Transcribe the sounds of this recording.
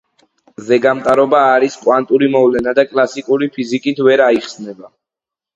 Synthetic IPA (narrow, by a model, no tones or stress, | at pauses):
zɛɡamt̪ʼaɾɔbaːɾiskʼwant̪ʼuɾimɔvlɛnad̪akʼlˠasikʼuɾipʰizikʼit̪ʰvɛɾaiχsnɛba